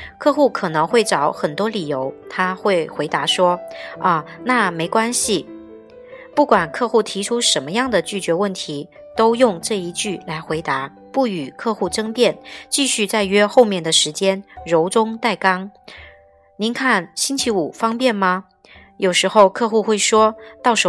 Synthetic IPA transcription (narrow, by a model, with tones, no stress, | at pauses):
kʰɤ˥˧xu˥˩kʰɤ˨˩nɤ˧˥ŋxwe˥˩ɪʈ͡ʂɑ˨˩˥ʊxə˨˩nt̪wɔ˥li˨˩jo˧˥ʊt̪ʰa˥xwe˥˩ɪxwe˧˥ɪt̪a˧˥ʂwɔ˥ə˧˩na˥˩me˧˥ɪkwa˥nɕi˨ | pu˥˩kwa˨˩nkʰɤ˥˧xu˥˩t̪ʰi˧˥ʈ͡ʂʰu˥ʂə˧˥nmə˧jɑ˥˩ŋd̪ə˩t͡ɕy˥˩t͡ɕɥɛ˧˥wə˥˩nt̪ʰi˧˥ | t̪o˥ʊjʊ˥˧ŋʈ͡ʂɤ˥˧i˧˥t͡ɕy˥˩la˧˥ɪxwe˧˥ɪt̪a˧˥ | pu˥˩y˨˩kʰɤ˥˧xu˥˩ʈ͡ʂɤ˥ŋpjɛ˥˩nt͡ɕi˥˧ɕy˥˧t͡sa˥˧ɪɥɛ˥xo˥˧ʊmjɛ˥˩nd̪ə˩ʂɻ̩˧˥t͡ɕjɛ˥nɻo˧˥ʊʈ͡ʂʊ˥ŋt̪a˥˩ɪkɑ˥ŋ | ni˧˥nkʰa˥˩nɕi˥nt͡ɕʰi˧˥u˨˩fɑ˥ŋpjɛ˥˩nmɐ˩ | jo˨˩ʊʂɻ̩˧˥xo˥˧ʊkʰɤ˥˧xu˥˧xwe˥˩ɪʂwɔ˥t̪ɑ˥˩ʊʂ